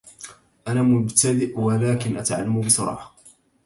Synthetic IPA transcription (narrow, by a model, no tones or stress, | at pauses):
ʔanaːmʊbt̪ad̪ɪʔwalaːkɪnʔat̪ʕalːambɪsˤɑɾˤɑ̰ːħɑ̥